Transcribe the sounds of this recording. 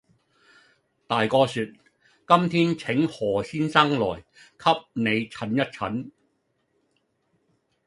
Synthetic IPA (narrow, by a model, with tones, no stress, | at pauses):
t̪aː˨jkɔː˧syː˨˧t̚ | kɐ˥mt̪ʰiː˥nt͡sʰɪ˨˥ŋhɔː˨˩siː˥nsɐ˥ŋlɔ̰ː˨˩jkʰɐ˥p̚ne˨˧jt͡sʰɐ˨˥njɐ˥t̚t͡sʰɐ˨˥n